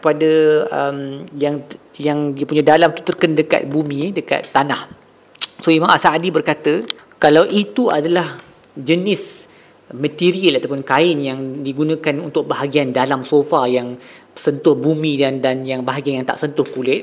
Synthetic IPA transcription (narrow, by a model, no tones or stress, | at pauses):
kəpadəəmjaŋ | jaŋdiəpuɲãdalamt̪u̥t̪ərkəndəka̰t̪̚bumĩdəka̰t̪ːanah | soimãŋasaadibərkat̪ə | kalawʔit̪ua̰dalah | d͡ʒənɪs | mə̃t̪iɾiəlat̪apʊnkaɪnjaŋdiɡunãkanunt̪ʊk̚baɦaɡiandalamsofajaŋsənt̪ʊhbumĩdandanjaŋbaɦaɡianjaŋt̪a̰ʔsənt̪ʊhkulɪt̪̚